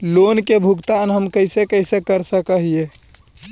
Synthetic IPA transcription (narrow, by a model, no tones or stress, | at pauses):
lonkebʱuɡt̪anɦəmkəɪsekəɪsekəɾsəkəɦije